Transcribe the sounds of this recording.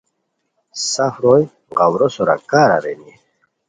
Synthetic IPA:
safɾoj | ɢawɾɔsɔɾa̰kaɾa̰ɾɛni

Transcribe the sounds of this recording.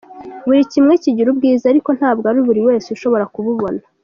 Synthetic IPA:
βuɾicimŋe̞ciɟiɾubɡiːzaɾiko̞n̥haːb̚ɡaɾuβuɾiwe̞ːseuʃo̞βo̞ɾakuβuβo̞na

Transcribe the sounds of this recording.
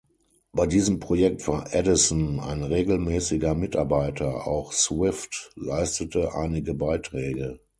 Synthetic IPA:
b̥aɪdiːzəmpʁ̥ojɛk̚tv̥aːɐʔɛdɪsna̰ɪnʁeːɡl̩mɛːsɪɡɐmɪtaɐbaɪtʰɐa̰ʊxswɪftla̰ɪstətəʔa̰ɪnɪɡəbaɪtʁ̥ɛːɡə

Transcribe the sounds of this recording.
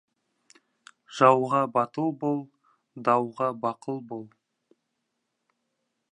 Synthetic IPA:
ʒ̥ɑwʁɑbɑt̪əlˠbolˠ | d̪ɑwʁɑbɑqəlˠbolˠ

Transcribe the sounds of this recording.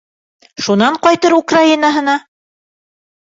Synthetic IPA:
ʃunɑɴqɑjt̪ɤɾukrainaɦɤ̆nɑ

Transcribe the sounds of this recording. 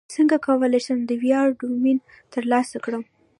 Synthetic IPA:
səŋɡakawəlajʃəmd̪əwjɑɖumin | t̪əɾlɑsakɽəm

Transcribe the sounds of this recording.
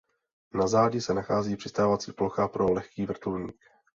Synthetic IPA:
nazaːɟɪsɛnaxaːziːpr̝̥ɪst̪aːvat͡sḭːploxapɾolɛxkiːvr̩t̪ulɲiːk

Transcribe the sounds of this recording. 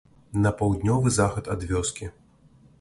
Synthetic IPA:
nɐpawd̪nʲɔvɨzaxɐt̪ɐd̪vʲɔskʲi

